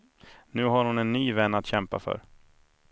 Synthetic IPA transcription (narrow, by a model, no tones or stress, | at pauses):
nʉ̟ːɦaɾhʊnɛnːyːvɛnːat̪ɕɛmpa̰fœ̰ɾ